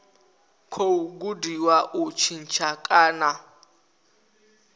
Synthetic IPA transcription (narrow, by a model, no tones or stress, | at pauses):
kʰouɡudiwaʔut͡ʃʰin̩t͡ʃʰakʼaːna